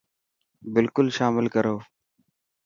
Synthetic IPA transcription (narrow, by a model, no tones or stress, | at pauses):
bɪlkʊlʃaːmɪlkəɾoː